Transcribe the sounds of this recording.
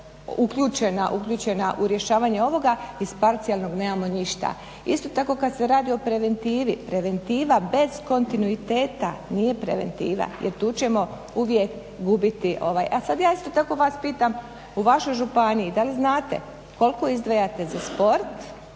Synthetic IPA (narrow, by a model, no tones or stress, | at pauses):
ukʎuːt͡ʃenaʔukʎʲuːt͡ʃe̞naʔuɾje̞ʃaːʋaɲeo̞ʋo̞ɡaispaɾt̪sijalˠno̞ɡne̞ːmamo̞niʃt̪a̰ | ist̪o̞t̪ako̞kad̪seɾaːd̪io̞pɾe̞ʋe̞nt̪iːʋipɾe̞ʋe̞nt̪iːʋabe̞z̥ko̞nt̪inuit̪e̞ːt̪a̰nije̞pɾḛʋe̞̰nt̪ḭːʋa̰jḛɾt̪uːt͡ɕe̞mo̞ | uʋjek | ɡubit̪iʔo̞̰ʋaːjʔasad̪jaːist̪o̞t̪ako̞ʋaːspiːt̪am | uʋaʃo̞jʒupaniid̪aliznaːt̪ḛ | ko̞lko̞izd̪ʋajat̪e̞zaspo̞ɾt̪